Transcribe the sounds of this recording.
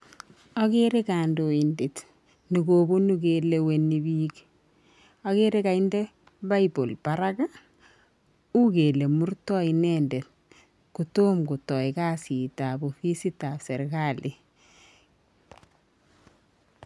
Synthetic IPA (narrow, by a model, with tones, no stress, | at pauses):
ɔ˦keɾe˦ka˨ndo˨i˨ndet | nu˨kobu˦nukele˨wenibi˦k | ɔke˦ɾe˦kainde˦ | ba˦ibo˨lb̥aɾaɡa˦ | u˦ke˨le˨mu˦ɾtɔ˦inɛndet̚ | kuto˦mku˨tɔ˨ikasitabofi˦si˦tase˨ɾkalʔi